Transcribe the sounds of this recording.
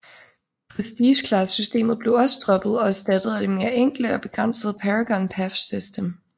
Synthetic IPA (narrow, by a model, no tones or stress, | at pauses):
pʰʁɛsd̥iːɕkʰlɑssysd̥e̝̰ːmð̩ˠb̥le̝ʊɒ̽səd̥ʁɒ̽b̥ð̩ˠɒ̽æɐsd̥æd̥əð̩ˠæd̥eme̝ːɐeŋ̰ɡ̥l̩əɒ̽b̥e̝ɡ̥ʁɑn̰səð̩ˠpʰæʁaɡ̥ɒ̽npʰæfsisd̥əm